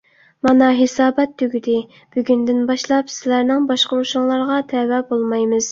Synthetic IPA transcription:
mɑnɑɦesɑːbɛt̪ʰːøɡʲyd̪ɪ | b̥yɡʲynd̪ɪnbɑʃlˠɑpsɪlæɾnɪŋbɑʃqəuʃuŋlˠɑɾʁɑt̪ʰɛwɛbolˠmɑjmɨz̥

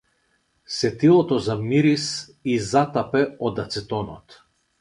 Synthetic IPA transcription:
sɛt̪ilˠɔt̪ɔzamiɾis | izat̪apɛɔd̪at̪sɛt̪ɔnɔt̪

